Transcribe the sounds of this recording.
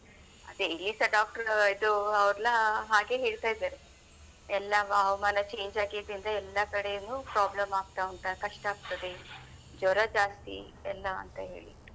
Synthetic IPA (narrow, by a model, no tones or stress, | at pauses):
ɐd̪eilːisɐɖaːk̚ʈɐɾid̪uɐʋɾɐlɐɦaːɡe̞ːɦe̞ːɭt̪aːjid̪aːɾe | ɛlːɐʋɐɐʋɐmaːnɐt͡ʃe̞ːɲd͡ʒaːɡid̪ind̪ɐɛlːɐkɐɽejɐnːuːpɾaːblɐmaːɡ̚t̪aɐnt̪ɐkɐʂʈaːɡ̚t̪ɐd̪e | d͡ʒɔɾɐd͡ʒaːst̪ḭ | ɛlːɐ̰ːnt̪ɐɦe̞̰ːɭḭ